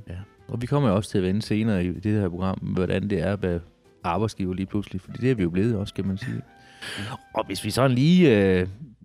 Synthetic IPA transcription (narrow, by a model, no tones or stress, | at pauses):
jæ | ʔɒ̽ʋikʰɒ̽m̰ɐjo̝ɒ̽st͡sʰe̝æʋenəse̝ːnɐːid̥ed̥hæɐpʰo̝ɡ̥ʁɑ̈m̰ʋɒɾænd̥e̝æɐʋæ | ʔɑ̈ːb̥ɑ̈ɪdsɡ̥ḭːʊɐliːpʰluslifɒ̽d̥ḭːd̥eæɐʋijo̝b̥le̝ːð̩ˠɒ̽skʰæmænsḭː | ʔɒ̽ʋe̝sʋisɒ̽nliːø